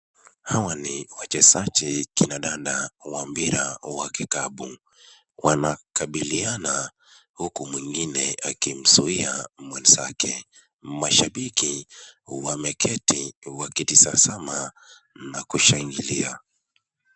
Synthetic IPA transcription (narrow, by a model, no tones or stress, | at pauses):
hawaniwat͡ʃɛsat͡ʃɛkinaɗaɗawambiɾawakikaɓu | wanakaɓiliana | hukumwiŋɡinɛakim̩suiamwɛnza̰kɛ | maʃaɓikiwamɛkʰɛtiwakitisasama | nakuʃaŋɡilia